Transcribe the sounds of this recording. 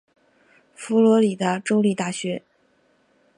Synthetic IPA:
fu˧˥lwɔ˧˥li˨˩t̪ə˥˧ʈ͡ʂo˥ʊli˥˧t̪a˥˩ɕɥɛ˧˥

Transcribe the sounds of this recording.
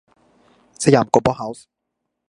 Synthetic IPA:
sa˧˦jaː˨˩mko˨˩bɔː˦˥ha˨˦ws

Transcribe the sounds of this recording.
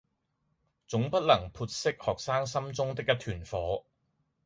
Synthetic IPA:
t͡sʊ˨˥ŋpɐ˥t̚lɐ˨˩ŋpʰuː˧t̚sɪ˥k̚hɔː˨k̚saː˥ŋsɐ˥mt͡sʊ˥ŋt̪ɪ˥k̚jɐ˥t̪ʰyː˨˩nfɔː˨˥

